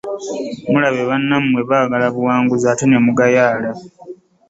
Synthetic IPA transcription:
mulaβe̞βanːamumwe̞βaːɡalaβuwaːŋɡuzaːtenemuɡajaːla

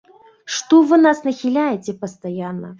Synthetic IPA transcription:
ʂt̪ɔvɨnasnɐxʲilʲajɛt͡sʲɛpɐst̪ajanːɐ̰

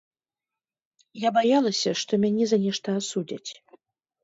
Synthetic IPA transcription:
jabajalˠɐsʲɐʂt̪omʲanʲizanʲɛʂt̪ʰaːsudʲatʲʰ

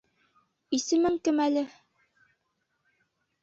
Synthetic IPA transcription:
isɘ̆mɘŋkɘmælɘ

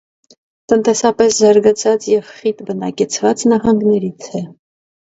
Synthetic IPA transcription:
t̪ənt̪ɛsɑpɛszɑɾɡɑt͡sʰɑt͡sjɛvχit̪bənɑkɛt͡sʰvɑt͡snɑɦɑŋɡnɛɾit͡sʰɛ

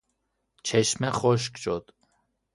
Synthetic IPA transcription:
t͡ʃʰeʃmɛχoʃ̬kʃod̪̥

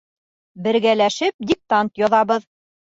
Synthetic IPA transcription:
bɘ̆ɾɡælæʃɘp̚d̪ʲik̚t̪ant̪jɒðɑbɤð

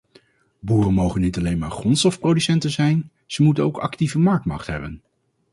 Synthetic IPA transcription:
buːrənmowχənːitɑlejnmaːɹχrɔntstɔfprowdysɛntənzɛjn | z̥əmutənowkɑ̰ktivəmɑɹk̚tmɑ̰χtɦɛbən

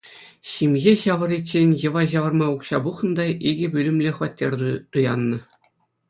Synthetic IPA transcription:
ɕimʲɣʲeɕɑʋɤ̆ɾʲit͡ɕenʲjɤ̆ʋɑʑɑʋɤ̆rmɑukɕɑbuχnɤ̆d̪ɑʔiɡʲɘ̆bʲylʲɘ̆mlʲĕχɤ̆ʋɑtʲːerʲd̪ut̪ujɑnːɤ̆

